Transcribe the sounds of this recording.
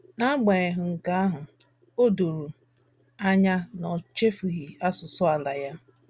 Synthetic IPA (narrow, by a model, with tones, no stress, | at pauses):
na˦ɡ͡ba˨e˨ɦʊ˨ŋ̩˨ka˦a˦ɦʊ˨ | o˦do˨ɾu˨ | a˦ɲa˦nɔ˨t͡ʃe˦fi˨ɦi˨a˦sʊ˨sʊ˦a˨la˨ja˦